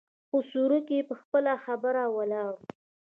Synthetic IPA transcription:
xosuɾukepəxpəlaxabəɾawalɑɾu

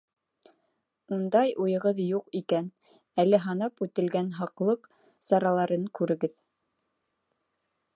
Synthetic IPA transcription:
und̪ɑjʔujɤ̆ʁɤðjuqikæn | ælɘɦɑnɑpʉt̪ɘ̆lɡænɦɑqlˠɤq | sɑɾɑlˠɑɾɤŋkʉɾɘ̆ɡɘð

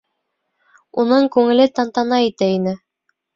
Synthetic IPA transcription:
unɤɴkʉŋɘ̆lɘt̪ɑnt̪ɑnɑit̪æinɘ

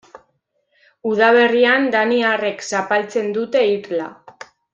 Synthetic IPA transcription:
uð̞aβ̞e̞riand̪aniare̞ksapalt͡se̞nd̪ut̪e̞iɾla̰

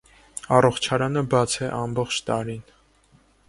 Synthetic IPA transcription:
ɑrɔχt͡ʃʰɑɾɑnəbɑt͡sʰɛʔɑmbɔχt͡ʃʰt̪ɑɾin

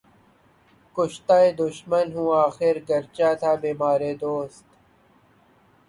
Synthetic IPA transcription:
kʊʃt̪aːed̪ʊʃmənɦũːaːxɪɾɡɐɾt͡ʃaːt̪ʰaːbiːmaːɾeːd̪oːst̪

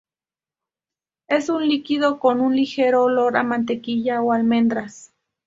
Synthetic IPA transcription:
esunlikiðokonunlixeɾoloɾa̰mant̪ekijaoalmend̪ɾas

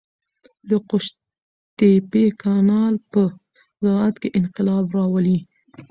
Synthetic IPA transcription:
d̪əqʊʃ | t̪epekɑnɑlpə | zaat̪keʔɪnqɪlɑbɾɑwəli

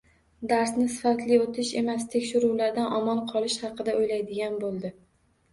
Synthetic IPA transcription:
d̪aɾsnɪsɪfat̪lɪot̪ʰɪʃe̞mast̪ʰe̞kʲʃɪɾulaɾd̪anʔɒmɒnqʰɒlˠɪʃhɑqɨd̪aojlajd̪ɪɡʲanbolˠd̪ɪ

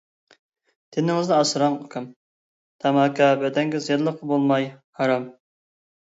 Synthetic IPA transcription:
t̪ʰɪnɪŋɪznɨɑsɾɑŋokʲʰɑm | t̪ʰɑmɑkʰɑbɛd̪ɛŋɡʲɛzjɑɾlˠəqʰːəbolˠmɑjhɑɾɑm

